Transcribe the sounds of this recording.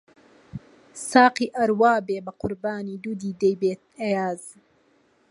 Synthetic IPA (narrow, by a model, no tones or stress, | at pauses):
sɑːqiʔɐɾwɑːbeːbɐqʊɾbɑːnid̪ud̪iːd̪ejbeːt̪̚ɐjaːz